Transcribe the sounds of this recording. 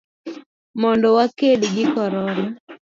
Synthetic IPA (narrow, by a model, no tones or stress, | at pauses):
mɔndɔwakedɡɪkɔɾɔɾɔ